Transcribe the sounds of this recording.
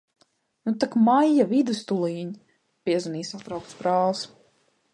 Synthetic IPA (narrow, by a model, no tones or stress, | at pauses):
nut̪akmajːavid̪ɨst̪ulˠiːɲ | pʲiɛzaniːsat̪ɾawkt̪sbɾaːlˠs